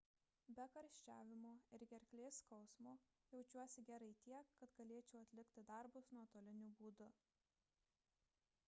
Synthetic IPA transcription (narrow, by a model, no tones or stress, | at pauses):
bʲɛkɐɾʲʃʲt͡ʃʲæːʋʲɪmoːɪɾɡʲɛɾʲkʲlʲeːskɒʊsmoː | jɛʊt͡ʃʲuɔsʲɪɡʲæɾɐɪt̪ʲiɛkːɐt̪ɡɐlʲeːt͡ʃʲɛːɐt̪ʲlʲɪkʲt̪ʲɪd̪ɐˑɾbʊsnuɔt̪oːlʲɪnʲuːbuːd̪ʊ